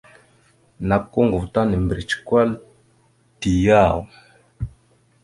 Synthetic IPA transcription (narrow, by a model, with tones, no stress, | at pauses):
na˨kkːo˦ŋɡu˨vta˦ni˨mbɾi˨t͡ʃkwa˦l | ti˨ja˦˨w